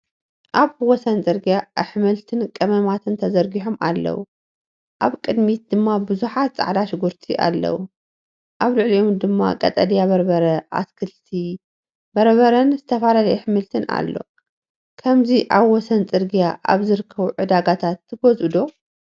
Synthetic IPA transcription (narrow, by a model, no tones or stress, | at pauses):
ʔaβwɔsɐnt͡sʼɨɾɡijaħɨmɨlt̪ʰɨnkʼɐmɐmat̪ʰɨnt̪ʰɐzɐɾɡiħoma̰lːɐ̰wu | ʔaβkʼɨd̪mit̪̚d̪̥ɨmːabɨzuħat̪t͡sʼa̰ʕlaʃɪɡuɾt̪ʰiʔa̰lːɐ̰wu | ʔaβlɨʕliʔomd̪ɨmːa̰kʼɐ̰t̪ʼɐd̪ijaβɐɾbɐɾɐʔa̰skʰɨlt̪ʰi | bɐɾβɐɾɐnzɨt̪ʰɐfalalɐjuħɨmɨlt̪ʰɨna̰lːo̞̰ | kʰɐmziʔaβwɔsɐnt͡sʼɨɾɡijaʔa̰βzɨɾɨkʰːɐβuʕɨd̪aɡat̪ʰat̪ʰːɨɡozɨd̪o̞